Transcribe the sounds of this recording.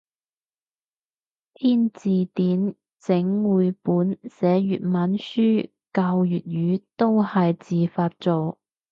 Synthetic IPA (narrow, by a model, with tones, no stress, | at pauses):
t̪ʰiː˥nt͡siː˨t̪iː˨˥n | t͡sɪ˨˥ŋwuː˨˧jpuː˨˥nsɛː˨˥jyː˨t̚maː˨˥nsyː˥ | kɐ˧wjyː˨˩t̚jyː˨˧t̪o˥whɐ˨jt͡siː˨faː˧t̚t͡so˨w